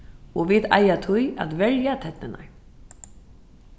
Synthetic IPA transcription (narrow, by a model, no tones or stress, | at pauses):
ɔvɪːt̪a̰jat̪ʰʊja̰t̪vɛljat̪ʰɛt̪nɪnʔa̰ɹ